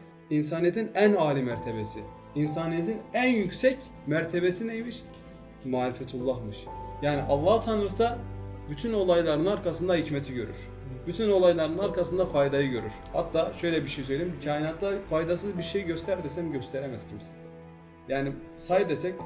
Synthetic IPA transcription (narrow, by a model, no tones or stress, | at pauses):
ins̬aːnijet̪ʰinænaːlʲimæɾt̪ʰebesḭ | ins̬aːnijet̪ʰinænjycsɛc | mæɾt̪ʰe̞besinejmiɾ | maːɾifɛt̪ʰulˠːahmɯʃjaːniʔalˠːaht̪ʰanɯɾsabyt̪ʰyno̞lˠajlˠaɾɯnaɾkʰasɯnd̪ahicmɛt̪ʰiɟø̞̰ɾy̰ɾ̥ | byt̪ʰyno̞lˠajlˠaɾɯnaɾkasɯnd̪afajd̪ajɯɟø̞ɾy̰ɾ̥ha̰t̪ʰːaːʃø̞jlʲɛbiʃejsøjlʲiicʰaːjinaːt̪ːafajd̪as̬ɯzbiɾʃejiɟø̞st̪ʰæɾd̪esɛmɟøst̪ʰeɾemɛzcʰimsɛ̥ | jaːni | sajd̪esɛc